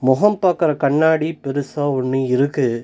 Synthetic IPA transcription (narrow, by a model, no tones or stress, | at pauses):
mɔɦɐmpaːkɪɾɐkɐɳːaːɽipɪɾɯsaːʋʊɳːɯɪɾɯkːɯ